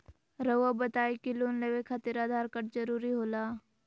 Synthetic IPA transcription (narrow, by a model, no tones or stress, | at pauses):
ɾəʋabət̪aːekiloːnleːʋekʰət̪ɪɾaːd̪ʱaːɾkəʈd͡ʒəɾuːɾiɦoːlaː